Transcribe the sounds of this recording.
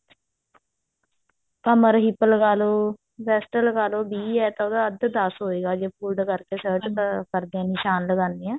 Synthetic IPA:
kəməɾɦipːəlkaːloː | bɛːsʈəlɡaːloːbiːɛːt̪ãod̪aːəd̪d̪asɦoːeːɡaːd͡ʒeːpʰuːlɖkəɾkeːsəːɾʈkəɾd̪eãːnɪʃaːnləɡãːnd̪iːɛ̃ː

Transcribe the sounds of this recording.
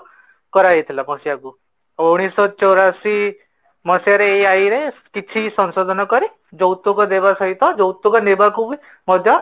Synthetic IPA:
kɔɾajet̪ʰlamɔsjaɡu | oɽ̃isɔt͡ʃɔɾasi | mɔsjaɾeaiɾekit̪ʰisɔ̃nsod̪ʱɔnɔkɔɾi | d͡zɔwt̪ːukɔd̪ebasaɦit̪ʰɔd͡ʒɔwt̪ːukɔnebakubi | mɔd̪ʱjɔ

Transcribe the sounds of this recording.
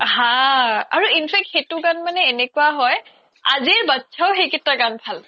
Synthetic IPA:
hãaɹuinpʰɛk̚txejtʊɡanmanɛːnɛkuaɦɔj | aziɛbatːsʰaʊxejkɛtɹaɡanpʰal

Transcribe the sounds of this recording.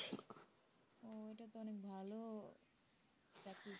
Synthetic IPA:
k | oeʈat̪oɔnek̚bʱalo | taki

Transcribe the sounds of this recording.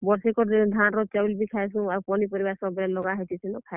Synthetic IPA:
bɔɾsekɔd̪ʱanɾɔt͡ʃawlbikʰajsũaupɔnipɔɾibasɔbɾɛlɔɡaɦet̪isʰinɔkʰa

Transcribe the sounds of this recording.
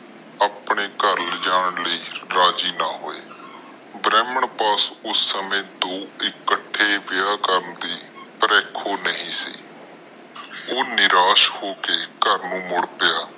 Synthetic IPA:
aːpɳeːkəɾld͡ʒaːəɳləiːɾaːd͡ʒiːnaːɦoːeː | bɾɛːməɳpaːsʊsːəmẽːd̪oːɪkːəʈʰːeːʋɪjaːkəɾnd̪iːpəɾɛːkʰoːnəɦĩːsḭː | oːnɪɾaːʃhoːkeːkəɾnũːmʊɽpɪjaː

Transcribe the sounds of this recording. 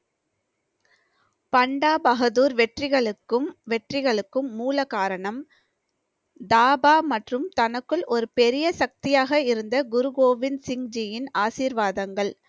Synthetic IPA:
pɐɳɖaːbɐɣɐðuːɾʋɛʈrɪɣɐɭɯkːɯmʋɛʈrɪɣɐɭɯkːɯmːuːlɐkaːɾɐɳɐm | d̪aːbaːmɐʈrɯmt̪ɐnɐkːɯɭʔɔɾɯpɛɾɪjɐsɐk̚t̪ɪjaːɣɐɪɾɯnd̪ɐɡʊɾɯɡoːʋɪnsɪŋd͡ʒɪjɪnaːsiːɾʋaːðɐŋɡɐɭ

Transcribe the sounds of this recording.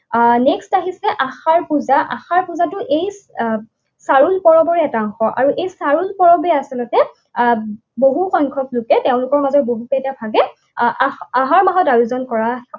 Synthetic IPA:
nɛkstaɦisɛʔaxaɹpuzaʔa̰xaɹpuzatʊʔej | saɹulpɔɹɔbɔɹɛɛtaɔŋxɔʔa̰ɹuʔejsaɹulpɔɹɔbɛasɛlɔtɛ | boɦuxɔjŋkʰɔklʊkɛteʊ̃lʊkɔɹmazɔt̚boɦupɛtabʰʱaɡɛ | aɦaɹmaɦɔtaɹuzɔnkɔɹa

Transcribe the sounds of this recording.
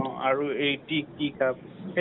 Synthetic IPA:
ɔ̃a̰ɹuejtikikʰap̚ | he

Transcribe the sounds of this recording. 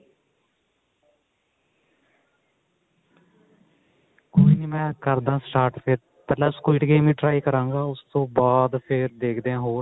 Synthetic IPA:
koːiːniːmɛ̃ːkəɾd̪ãːsʈaːɾʈpʰɪɾ | pɛːlãːskiːʈɡeːmĩːʈɾaːiːkəɾãːŋɡaːʊst̪õːbaːd̪pʰɪɾd̪eːkʰd̪eãːɦoːɾ

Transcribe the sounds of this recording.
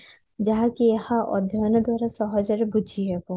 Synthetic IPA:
d͡ʒaɦakiehãʔɔ̰d̪ʱjɔnɔd̪waɾasɔɦɔd͡ʒaɾebud͡ʒʱiɦɛbo

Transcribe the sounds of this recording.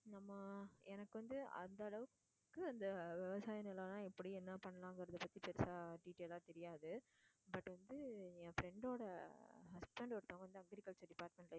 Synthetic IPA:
nɐmːɐɛnɐkːɯʋɐnd̪ɯɐ̰nd̪ɐɐɭɐʋɯk | kːɯɐnd̪ɐʋɛʋɐsaːjɐnɪlɐːnãːɪpːɐɽiɛnːɐpɐɳːɐlãːŋɡɐɾɐðɐpɐt̪ːipɛɾsaːɖiːʈeːlaːt̪ɛɾɪjaːðɯ | bɐʈːʋɐnd̪ɯɛ̃fɾɛɳɖoːɽɐhɐspɛɳɖpɐɽɯt̪ːõːɡɐʋɐnd̪ɯɐŋɡɐɾɪkɐɭsɐɾɖɪpaːʈmɛ̃ɳʈl

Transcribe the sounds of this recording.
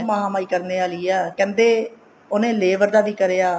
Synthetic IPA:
maɦãːmaːiːkəɾneːaːliːɛːkɛ̃ːnd̪eː | oːnẽːleːʋəɾd̪aːd̪iːkəɾeːaː

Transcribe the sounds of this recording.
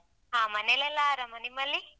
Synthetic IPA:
aːmɐnelɛlːaɾɐmɐnimɐlːi

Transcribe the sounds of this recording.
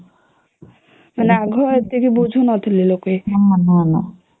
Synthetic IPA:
maneaɡʱɔet̪ikibud͡ʒʱunɔt̪ʰililokeanana

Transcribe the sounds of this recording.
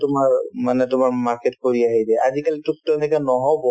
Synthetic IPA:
tʊmaɹmanɛtʊmaɹmaɹketkoɹiaɦidɛazikalitʊk̚tɛnɛkanɔɦɔbɔ

